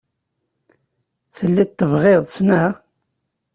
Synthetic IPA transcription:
θəlːit̪ːəvʁeðˤsnəʁ

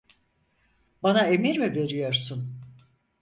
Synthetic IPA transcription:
banae̞miɾmive̞ɾijo̞ɾsun

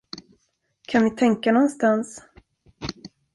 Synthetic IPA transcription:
kʰanvɪt̪ʰɛŋkanɔnst̪ans

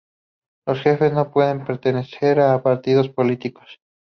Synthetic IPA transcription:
lo̞sxe̞fe̞zno̞pwe̞ðe̞mpe̞ɾt̪e̞ne̞seɾapaɾt̪iðo̞spo̞lit̪iko̞̥s

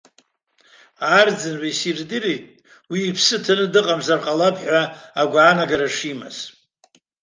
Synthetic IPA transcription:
ard͡zɨnʕʷasirdɨritʼ | wiːpʰsɨtʰanɨdɨqʼamzarqʼalapʰħʷaaɡʷaaːnaɡaɾaʂima̰z

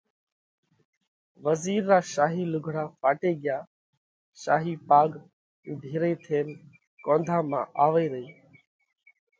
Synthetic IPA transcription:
ʋəziːɾːaːʃaːɦiːlʊɡʱɽaːfaːʈeːɠɪjaː | ʃaːɦiːpaːɡː | ɖʱiːɾeːt̪ʰeːn | kõːnd̪ʱãːmãːʔaːʋeːɾəiː

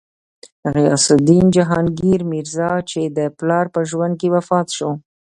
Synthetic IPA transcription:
haɣea̰sɪd̪ind͡ʒaɦɑnɡiɾmiɾzɑt͡ʃed̪əplɑɾpəʒwand̪̚kewafɑt̪ʃo

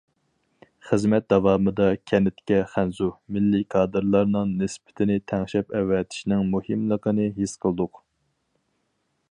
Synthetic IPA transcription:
χəzmɛt̪̚d̪ɑvɑːmɨd̪ɑkʲʰɛnɪt̪kʲɛχænzumɪlːikʰɑːd̪ɨɾlˠɑɾnɨŋnɪspʰɪ̥t̪ʰɪnɪt̪ʰæŋʃɛpɛwːɛt̪ʰi̥ʃnɪŋmuhimlˠəqənɨɦisqʰəlˠd̪ʊq

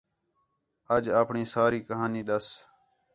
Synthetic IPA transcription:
əd͡ʒaːpɳiːsaːɾiːkəɦaːniːɗ̪əs

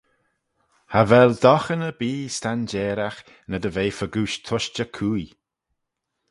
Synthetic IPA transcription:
havɛld̪ɔxənəbiːst̪and͡ʒɛːɾax | nəd̪əveːfəɡuːʃt̪ʰʊʃt͡ʃəkʰuːj

